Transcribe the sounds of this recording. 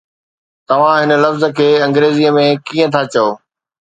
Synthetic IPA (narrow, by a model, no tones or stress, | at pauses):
t̪ɐʋ̤ãɦɪnə̆lɐfzə̆kʰeːɐ̃ŋɡɾeːziəmẽkiːə̃t̪ʰat͡ɕɐjoː